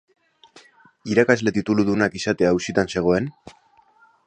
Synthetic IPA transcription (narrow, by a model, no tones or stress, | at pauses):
iɾakazle̞t̪it̪uluðunakisat̪e̞aːusit̪anse̞ɣ̞o̞e̞n